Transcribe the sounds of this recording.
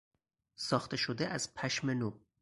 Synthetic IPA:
sɒːxt̪eʃod̪eʔæz̥pʰæʃmenu

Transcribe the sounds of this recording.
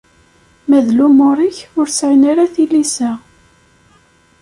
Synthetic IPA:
mæðlumʊɾˤiçʊɾsʕinaɾaθilisæ

